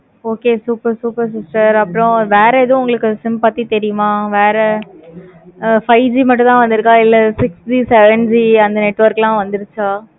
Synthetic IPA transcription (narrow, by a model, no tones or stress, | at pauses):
oːkeːsuːpɐɾsuːpɐɾsɪsʈɐɾɐpːɐɾõʋeːɾɛɛðõʊŋɡɐɭɯkːɯsɪmpat̪ːit̪ɛɾɪjɯmãːʋeːɾɛ | fɐɪd͡ʒiːmɐʈːʊ̃t̪ãːʋɐnd̪ɯɾɯkːãːɪlːɛsɪksd͡ʒisɛʋɛɳd͡ʒiɐnd̪ɐnɛʈːʋɐɾklãːʋɐnd̪ɯɾɯt͡ʃːaː